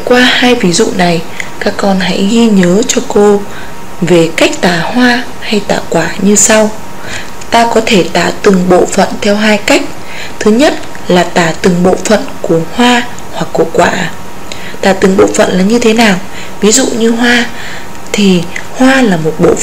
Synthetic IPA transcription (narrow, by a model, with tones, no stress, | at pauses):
kwaː˧haː˧jvi˨˦zṵ˧˨na˨˩j | kaː˦˥kːɔ˧nɦa̰˧˥jɣi˧ɲəː˨˦t͡ɕɔ˧ko˧ | ve˨˩ka˦˥jk̟̚t̪aː˧˩hwaː˧ | ha˧jt̪a̰ː˧˩kwaː˧˩ɲɨ˧sa˧w | t̪aː˧kɔ˨˦t̪ʰe˧˩t̪a̰ː˧˩t̪ɨ˨˩ŋɓo̰˧˨fə̰˧˨nt̪ʰɛ˧wɦaː˧jka˦˥jk̟̚ | t̪ʰɨ˨˦ɲə˦˥t̚ | laː˨˩t̪aː˧˩t̪ɨ˨˩ŋɓo̰˧˨fə̰˧˨nku˧˩əhwaː˧ | hwa˨˩kːu˧˩əkwaː˧˩ | t̪aː˧˩t̪ɨ˨˩ŋɓo̰˧˨fə̰˧˨nlaː˨˩ɲɨ˧t̪ʰe˨˦naː˨˩w | vi˨˦zṵ˧˨ɲɨ˧ɦwaː˧ | t̪ʰi˨˩ | hwaː˧laː˨˩mo˨˩t̚ɓo̰˧˨